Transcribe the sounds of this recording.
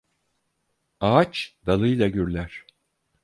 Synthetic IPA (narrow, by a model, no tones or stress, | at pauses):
at͡ʃd̪̥alˠɯjlˠaɟyɾlʲæɾ̥